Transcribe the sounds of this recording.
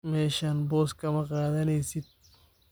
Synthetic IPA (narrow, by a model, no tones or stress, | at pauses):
meːʃanboskɐmɐqaːd̪ɐnesit̪̚